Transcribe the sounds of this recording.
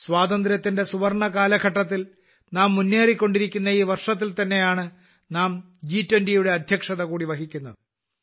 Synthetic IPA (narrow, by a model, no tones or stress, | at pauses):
swaːd̪ɐnd̪ɾjɐt̪ːinde̞suʋɐrɳɐkaːlɐɡʱɐʈːɐt̪̬ːil | naːmːunːeːrikʲːo̞ɳɖiɾikʲːunːɐiːʋɐrʂɐt̪̬ːilt̪ɐnːe̞jaːɳɨ | naːm | d͡ʑiːtːwendijuɽe̞ɐd̪ʱjɐkʂɐðɐkuːɽiʋɐɦikʲːunːɐðɨ